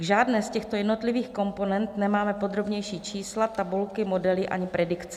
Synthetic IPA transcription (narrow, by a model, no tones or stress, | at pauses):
ʒaːdnɛːscɛxt̪o̞jɛdno̞t̪lɪviːxko̞mpo̞nɛnt̪nɛmaːmɛpo̞d̪ɾo̞bɲɛjʃiːt͡ʃiːslat̪abulkɪmo̞dɛlɪʔa̰ɲɪpɾɛdɪkt͡sɛ